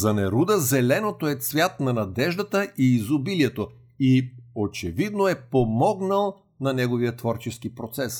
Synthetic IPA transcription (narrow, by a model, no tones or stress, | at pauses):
zɐnɛɾud̪əzɛlɛnot̪oɛt̪svʲjat̪nɐnɐd̪ɛʒd̪ət̪əʔiːzʊbiliɛt̪o | iot͡ʃɛvid̪noɛpomɔɡnəlˠ | nɐnɛɡoviət̪vɔɾt͡ʃɛskipɾot̪sɛs